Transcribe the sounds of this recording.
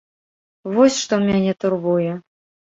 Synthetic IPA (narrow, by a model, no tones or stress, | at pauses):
vɔsʲʂt̪ɔmʲanʲɛt̪urβujɛ